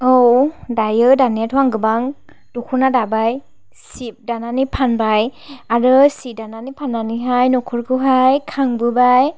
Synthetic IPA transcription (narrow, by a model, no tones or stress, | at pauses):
owdajɯdanijatʰɔwaŋɡɯbaŋ | d̥ɔkʰunadabaj | sip̚dananipʰanbajaɹɯsidananipʰananiɦajnɔkʰɯɹkʰɯɦajkʰaŋbɯbaj